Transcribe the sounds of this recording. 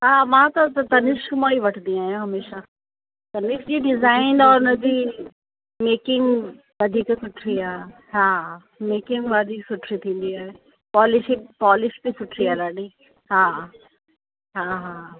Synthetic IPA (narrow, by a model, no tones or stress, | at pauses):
ɦaːmãːt̪ɐt̪t̪ɐnɪʃkmãiʋɐʈʰnd̪ĩaːɦijõɦɐmeːʃa | t̪ɐnɪʃd͡ʑiːɖɪzaːɪnɔːɾʊnɐ̃d͡ʑiː | meːkɪ̃ŋɡ | ʋɐd̪ʱiːksʊʈʰɾiaːɦe | ɦaː | meːkɪ̃ŋɡʋad̪ʱiːksʊʈʰɾit̪ʰĩːn̆d̪iaːɦe | pɔːlɪʃɪkpɔːlɪʃbisʊʈʰɾiaːɾaːɖi | ɦaː | ɦaːɦaː